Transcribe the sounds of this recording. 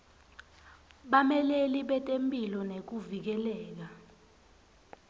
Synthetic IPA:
ɓamɛleliɓɛtʼempʼilɔnek̬uvik̬ɛlɛːk̬a

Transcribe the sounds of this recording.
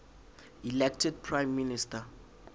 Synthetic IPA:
ilɛk̚tʰɛd̚pʰrajmːinista

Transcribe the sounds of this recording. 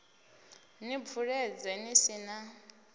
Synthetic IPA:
nib̪vuɺɛd͡zɛnisina

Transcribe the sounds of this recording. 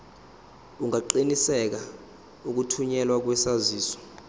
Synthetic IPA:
uŋaǃinisɛk̬a | uk̬utʰuɲɛlwak̬wɛsaziːsɔ̥

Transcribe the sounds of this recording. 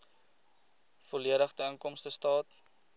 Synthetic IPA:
foliəɾəχdəəŋkɔmstəstɑːt

